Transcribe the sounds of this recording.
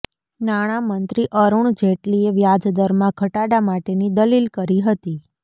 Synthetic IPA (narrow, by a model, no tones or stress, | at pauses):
naɽ̃amənt̪ɾiʔəɾuɳ̃d͡ʒeʈlieʋjad͡ʒd̪əɾmãkʰəʈaɽamaʈenid̪əlilkəɾiɦət̪i